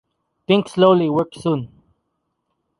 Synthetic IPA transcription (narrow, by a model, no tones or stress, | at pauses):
pɪ̃ŋksloʊliwɜ˞k̚sũn